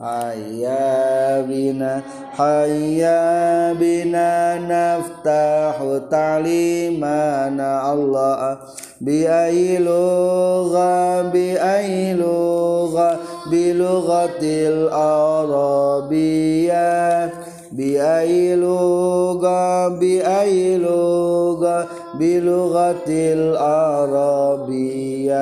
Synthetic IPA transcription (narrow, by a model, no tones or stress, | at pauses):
haja | bɪna | hajabɪnanaft̪aħut̪alimanaʔalːa | bɪajlʊɣabɪʔajlʊɣabiluɣat̪lʔaɾɑbija | biajiluɣabiʔajiluɣa | biluɣat̪laɾɑbija